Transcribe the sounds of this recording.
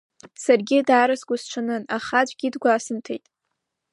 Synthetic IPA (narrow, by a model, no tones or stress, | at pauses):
sarɡʲɪdaːɾasɡʷʊst͡ʃʷʰanɨnaχad͡ʒʷʼɡʲidɡʷaːsɨmtʰejtʼ